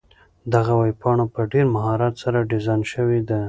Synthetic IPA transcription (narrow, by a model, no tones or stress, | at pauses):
d̪aɣawajpɑɳopəɖeɾmaɦɑɾɑt̪saɾaɖɪzɑjnʃəwed̪a